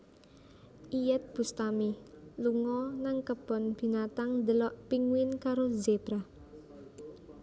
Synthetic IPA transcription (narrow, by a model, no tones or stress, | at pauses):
ʔijɛt̪̚b̥ṳst̪amiluŋɔnaŋkəb̥ɔ̤nb̥i̤nat̪aŋnd̪əlɔʔpiŋwɪnkaɾozeb̥ɾa